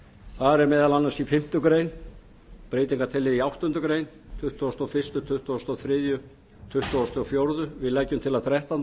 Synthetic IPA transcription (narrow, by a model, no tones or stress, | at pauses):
θaɾɛɾmɛːðalanːansifɪm̥t̪ʏkɾeːjn | pɾeːjt̪iŋkaɾt̪ʰɪlːɪðiawht̪ʏnt̪ʏkɾejn | t̪ʰʏht̪ʰɔst̪ɔfɪrst̪ʏt̪ʰʏht̪ɔːst̪ɔθɾɪːðjʏ | t̪ʰʏht̪ɔst̪ʰːɔfjowɾðʏvɪðlaːjcːʏmt̪ʰɪlaðθɾɛht̪an